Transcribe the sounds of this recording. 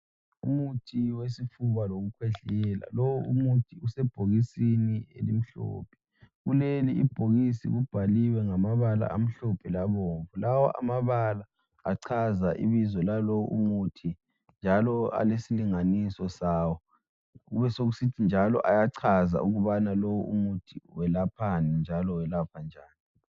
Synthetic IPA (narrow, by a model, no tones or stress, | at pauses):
umutʰiwesifuβaloɣukʰwɛɮɛla̰lowuumutʰiusɛb̥ʱoɣisiniḛlim̩ɬɔ̰ːpʰɛ̥ | ɣuleliːb̥ʱoɣisḭɣub̥ʱaliwɛŋamaβala̰ʔa̰m̩ɬɔpʰɛlaβɔːɱvulawɔ̰ʔa̰maβala | a̰ǀʰazaʔḭβizɔlalɔwɔʔṵmutʰi | nd͡ʒʱalɔa̰lesiliŋanisɔsaːwɔ | ɣuβɛsoɣusitʰind͡ʒʱalɔ̰ʔajaǀʰaza̰ʔuɣuβanalow̰ṵmutʰiwɛlapʰanɛnd͡ʒʱalɔwɛlapʰand͡ʒʱaːni